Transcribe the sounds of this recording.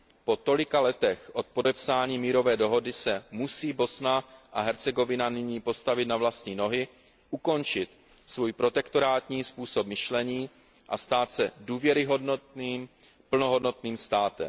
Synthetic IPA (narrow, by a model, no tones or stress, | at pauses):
po̞t̪o̞lɪkalɛt̪ɛxʔo̞t̪̚po̞dɛpsaːɲiːmiːɾo̞vɛːdo̞ɦo̞dɪsɛmusiːbo̞snaʔaɦɛɾt͡sɛɡo̞vɪnanɪɲiːpo̞st̪avɪt̪navlast̪ɲiːno̞ɦɪ | ʔuko̞nt͡ʃɪt̪ | svuːjpɾo̞t̪ɛkt̪o̞ɾaːt̪ɲiːspuːsop̚mɪʃlɛɲiː | ʔast̪aːt̪sɛduːvjɛɾɪɦodniːm | pl̩noɦo̞dno̞t̪niːmst̪aːt̪ɛ̰m